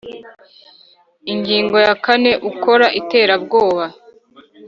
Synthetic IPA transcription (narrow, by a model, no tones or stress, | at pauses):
iŋɡiːŋɡo̞jakane̞ʔuko̞ɾaʔite̞ːɾabɡo̞ːβa